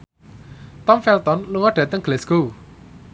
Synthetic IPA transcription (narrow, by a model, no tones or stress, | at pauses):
t̪ɔmfɛlt̪ɔnluŋɔɖ̥ä̤t̪əŋɡ̥lɛsɡ̥u